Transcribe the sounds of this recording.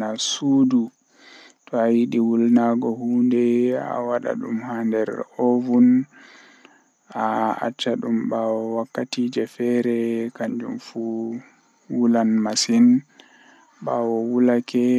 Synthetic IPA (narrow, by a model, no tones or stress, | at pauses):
nasuːdu | tɔajiɗiwulnaɡɔhuːndɛa̰waɗa̰ɗumhandɛɾovun | aa̰t͡ʃːaɗumbawɔwakːatiːd͡ʒɛfɛɾɛkaɲd͡ʒumfu | wulanmasin | ɓawɔwulakʰɛ